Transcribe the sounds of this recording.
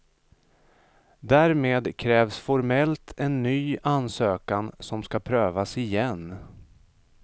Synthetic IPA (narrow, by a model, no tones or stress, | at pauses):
d̪æːɾmeːd̪kʰɾɛːvsfɔɾmɛlt̪ʰɛnːyːʔansøːkansɔmskapʰɾøːvasɪjɛn